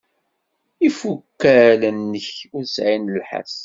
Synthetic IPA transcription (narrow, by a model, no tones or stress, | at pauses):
ifukːælənːəçʊɾsʕinəlħa̰s